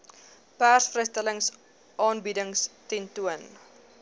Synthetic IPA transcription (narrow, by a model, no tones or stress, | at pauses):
pæːrsfrɛjstələŋs | ʔɑːnbidəŋstɛntuən